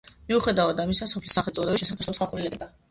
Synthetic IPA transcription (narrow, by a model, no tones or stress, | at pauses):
miuχɛd̪aɔd̪amisasɔpʰlisːaχɛlt̪sʼɔd̪ɛbiʃɛsapʰɛsɔbsχalˠχuɾilɛɡʼd̪a